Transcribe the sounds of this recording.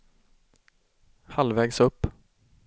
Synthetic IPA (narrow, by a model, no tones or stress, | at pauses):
halvɛːɡsɵpː